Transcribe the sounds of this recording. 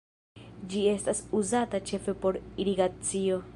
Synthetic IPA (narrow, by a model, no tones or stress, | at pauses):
d͡ʒie̞st̪asuzat̪at͡ʃe̞fe̞po̞ɾiɾiɡat͡sio̞